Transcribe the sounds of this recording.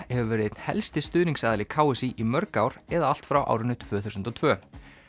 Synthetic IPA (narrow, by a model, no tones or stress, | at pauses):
hɛvʏvɛːɾɪet̪n̥hɛ̰lst̪ɪst̪ʏːðniŋksaːðalɪkʰaːwɪsiʔimœɾkaːwɾ̥ɛðaal̥t̪fɾawʔa̰ːwɾɪnʏt̪ʰv̥œːθusʏnt̪ɔt̪ʰv̥œː